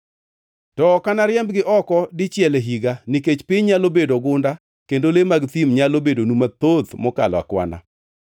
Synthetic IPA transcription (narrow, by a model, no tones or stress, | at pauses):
tɔkanaɾjɛmbɡɪʔɔkɔdɪt͡ʃjɛleɦiɡaniket͡ʃpɪɲɲalobedoɡʊnda | kendolemaɡt̪imɲalobedonumat̪ot̪mɔkala̰kwa̰na̰